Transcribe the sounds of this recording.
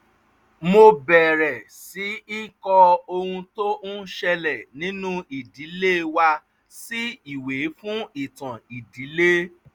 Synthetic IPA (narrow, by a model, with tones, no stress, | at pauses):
mo˧bɛ˨ɾɛ˨ | si˨˦i˦kɔ˧o˧hũ˧to˦nũ˦ʃɛ˧lɛ˨nĩ˨˦nũ˦i˨di˨˦le˦wa˧ | si˦i˨we˨˦fũ˦i˦˨tã˨i˨di˨˦le˦